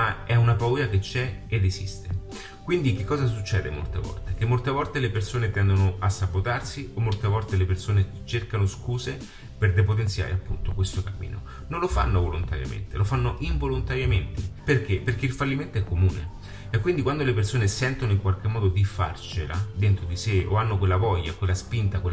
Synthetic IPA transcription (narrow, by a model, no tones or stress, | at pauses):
maɛunapauːjaket͡ʃːɛed̪esḭst̪e | kwind̪ik̟ekːɔːzas̬ut͡ʃːɛːd̪ḛmo̰lt̪ḛvɔ̰lt̪ek̟emːolt̪evɔlt̪elepersoːnet̪ɛnd̪onoasːabot̪arsiomːolt̪evɔlt̪elepersoːne | t͡ʃerkanoskuːze | perd̪epot̪̬ensja̰ːɾḛapːunt̪okwest̪okamːḭːno̰ | nonlofa̰nːovolont̪aɾja̰mḛnt̪elʔofanːoʔiɱvolont̪aɾjament̪eperk̟eperkeilfalːiment̪oɛkːomuːnḛ | ekːwind̪ikwand̪olepersoːnesɛnt̪onoiŋkwalk̟emːɔːd̪od̪ifa̰rt͡ʃelad̪ent̪ɾod̪iseo̰anːokwelːavɔjːakwelːaspint̪akwel